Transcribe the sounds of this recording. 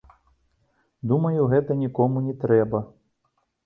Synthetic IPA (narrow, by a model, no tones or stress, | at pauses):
d̪umɐjuɣɛt̪ɐnʲikɔmunʲɛt̪ɾɛbɐ